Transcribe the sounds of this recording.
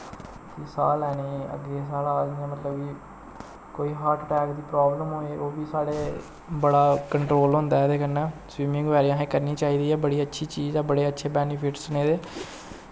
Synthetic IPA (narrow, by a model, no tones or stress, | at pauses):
kisaːlɛːneːə̰ɡːeːs̬aːlaaːd͡ʒniãːmət̪ləbiː | koːiːɦaːɾʈʈɛːkd̪iːpɾaːbləmɦoːeːʔoːbiːsaːɽeː | bəɽaːkəɳʈɾoːlɦõnd̪aːɛːd̪eːkənɛ̃ːswiːmɪ̃ŋɡʋɛːɾijãːɦẽːkəɾniːt͡ʃaːiːd̪iːɛːbəɽiːətːʃʰiːt͡ʃiːzɛːbəɽeːətːʃʰeːbɛːnɪpʰɪʈsʊneːd̪eː